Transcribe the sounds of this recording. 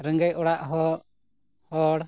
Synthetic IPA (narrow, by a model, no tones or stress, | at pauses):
ɾəŋɡəjʔɔɽaʔɦɔ | hɔɽ